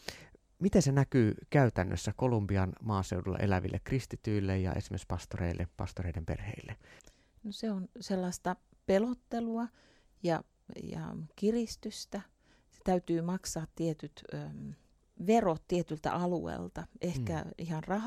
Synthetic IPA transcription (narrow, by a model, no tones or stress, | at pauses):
mit̪ensenækyːkæyt̪ænːø̰sːækolumbiɑnmɑːseudulːɑ̰ʔḛlæʋḭlːʔḛkrist̪it̪yilːejjɑ̰ʔesimːekspɑst̪orḛilːḛpɑ̰st̪oreidempḛrhḛˑilːe | noseonselːɑst̪ɑ | pelot̪ːeluɑ | jɑ | jɑ̰kirist̪yst̪æ | se̥t̪æyt̪yːmɑksɑːt̪t̪iet̪yt̪ː | ʋerot̪t̪iet̪ylt̪æ̰ʔɑluḛilt̪ɑʔehkæihɑnrɑh